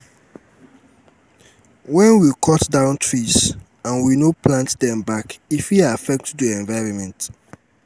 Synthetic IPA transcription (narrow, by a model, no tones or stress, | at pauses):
wɛ̃nwikʰɔtdãʊ̃ntʰɹiz | ãnwinoplãntdɛ̃mbakifiafɛk̚tdiɛ̃nvaɪɹɔ̃nmɛ̃nt